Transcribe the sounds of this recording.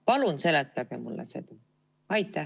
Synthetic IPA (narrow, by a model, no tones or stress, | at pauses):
pɑlunse̞let̪ːˑɑɡ̥emulːʔḛse̞̰d̪ɑ | ɑjt̪ːˑæ